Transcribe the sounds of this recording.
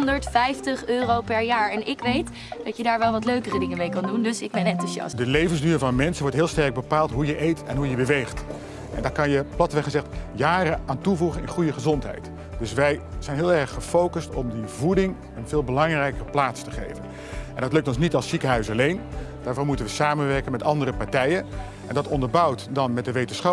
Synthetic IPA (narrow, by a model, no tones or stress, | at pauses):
ndəɹtfɛjftəχøːrowpɛɹjaːɹɛnɪkʋejt | d̥ɑtjədaːɹʋɛlˠʋɑtløɥkərədɪŋəmejkɑndundɵsɪɡ̚bɛnɛntuzɑ̰sdəlejvənsdyːvɑnmɛnsənʋɔɹtɦɪːlˠstɛɹɡ̚bəpaːlˠtɦujəʔejtʰɛnɦujəbəʋejχt | ʔɛ̰ndɑkɑnjəplɑtəʋɛχəzɛχtjaːrəaːntuvuχənɪnχujəχəzɔntɦɛ̰jt | d̥ɵsʋɛjz̥ɛjnɦɪːlˠɛɹχːəfowkəstɔ̰mdivudɪŋ | ənvɪːlˠbəlɑŋrɛjkəplaːtstəχḛjvən | ɛndɑtlɵk̚tɔnsnitɑlˠsikəɦœɥsɑlejnd̥aːɹvɑnmutənʋəsaːmənʋɛɹkənmɛtɑndərəpaɹtɛjən | ʔɛ̰ndɑtɔndəɹbʌwtdɑnmɛt̚dəʋejtənsχɑ